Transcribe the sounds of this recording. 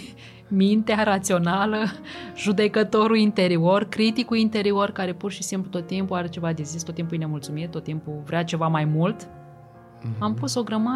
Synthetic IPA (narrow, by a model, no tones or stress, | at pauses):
mint̪eaɾat̪sio̞naləʒud̪e̞kət̪o̞ɾuint̪e̞ɾiorkɾit̪ikuint̪e̞ɾio̞rkaɾe̞purʃisimplut̪ot̪ːimpuaɾet͡ʃe̞vad̪ezist̪ot̪ːimpujnemult̪sumit̪̚ːot̪ːimpuvɾeat͡ʃe̞vamajmult̪ | ampuso̞ɡɾəma